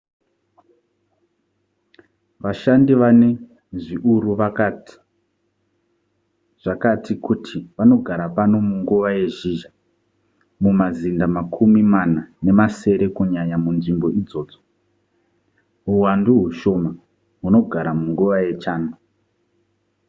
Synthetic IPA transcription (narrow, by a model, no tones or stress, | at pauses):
ʋaʃandiʋane | ʐiʔuɾuʋakati̥ | ʐ̥akatʰikutʰiʋano̞ɡʱaɾapano̞muŋɡuʋaje̞ʒiʒa | mumazindamakʰumimanane̞mase̞ɾe̞kuɲaɲamunʐimbo̞id͡zo̞ːd͡zo | ɦuwanduɦuʃo̞ma | ɦuno̞ɡʱaɾamuŋɡuʋaje̞t͡ʃaːnu